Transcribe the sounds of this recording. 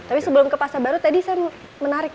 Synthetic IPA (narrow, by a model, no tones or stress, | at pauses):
t̪apisəbəlʊmkəpasabaɾut̪adisajɛ | mənaɾɪk̚